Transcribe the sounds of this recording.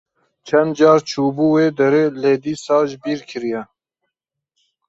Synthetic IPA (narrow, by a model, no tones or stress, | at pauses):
t͡ʃʰɛnd̪̚d͡ʒɑːɾt͡ʃʰuːbuːweːd̪ɛɾeːleːd̪iːsɑːʒbiːɾkʰɨɾijɛ